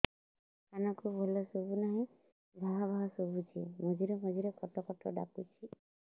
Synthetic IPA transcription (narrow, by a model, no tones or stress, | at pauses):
kanɔkubʱolɔsobunaɦĩ | bʱaɦabʱaɦɔsobʱut͡ʃʰḭmɔd͡ʒiɾɔmɔd͡ʒiɾekɔʈɔkɔʈʰɔ̰ɖa̰put͡ʃʰi